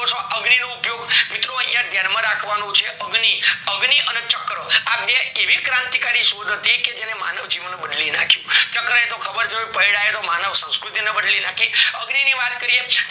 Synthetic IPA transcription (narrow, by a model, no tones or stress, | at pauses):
sõʔəɡninoupjoɡmit̪ɾojãd̪ʱjaɾmãɾakʰʋanõt͡ʃʰeʔəɡniəɡniʔənet͡ʃəkɾəapneeʋikɾãnt̪ikaɾiʃod̪ʱət̪iked͡ʒenemanəʋd͡ʒiʋənbəɖlinakʰjũt͡ʃəkɾəet̪okʰəbəɾd͡ʒoepəiɽaɦet̪omanəʋsə̃w̃skɾut̪inebəɖlinakʰiəɡniniʋat̪kəɾie